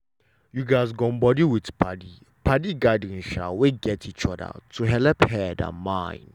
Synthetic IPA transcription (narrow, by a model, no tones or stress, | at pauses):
juɡaɪsɡɔ̃mbɔdiwitpʰadi | pʰadiɡadĩnʃa̰weɡɛtʰit͡ʃɔdə̰tʰuɦɛlɛphɛdə̰mãɪ̃n